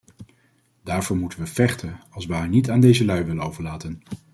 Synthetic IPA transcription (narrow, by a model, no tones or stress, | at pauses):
d̥aːɹvʊːɹmutənʋəvɛχtʰənɑlˠsʋəɦaːɹnitaːndejzəlœɥʋɪlənowvəɹlaːtən